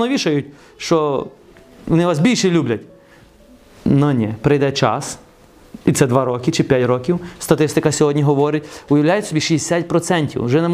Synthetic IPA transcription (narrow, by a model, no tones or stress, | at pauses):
nɔʋʲiʃɐjʊtʲ | ʃt͡ʃɔ | ʋɔnɪʋasbʲilʲʃɛlʲublʲɐtʲ | nɔnʲɛpɾɪjd̪ɛt͡ʃɑ̰s | it̪sɛd̪ʋɑɾɔkɪt͡ʃɪpʲjatʲɾɔkʲiwst̪ɐt̪ɪst̪ɪkɐsʲɔɦɔdʲnʲiɦɔʋɔɾɪtʲʊjɐwlʲajʊtʲsʲɔbʲiʃisʲatʲpɾɔt̪sɛnʲtʲḭwʒɛnɛm